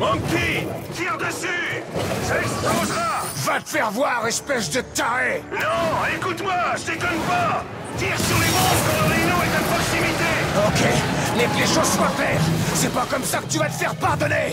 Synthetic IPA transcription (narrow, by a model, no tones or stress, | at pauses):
ɔ̃kit̪iʁd̪əsysast̪ɔ̃zʁavat̪ə̥fɛʁvwaʁɛspɛʃd̪ət̪aʁenɔ̃ekut̪mwaʒət̪ekɔnpa | d̪iʁsyʁlemɔ̃ɔlɔlinɔ̃ɛt̪apχɔksimit̪eokʲeleleʃozsʁɛ̃klɛːʁsɛpakɔmsakə̥t̪yvat̪ə̥fɛʁəpaʁd̪ɔne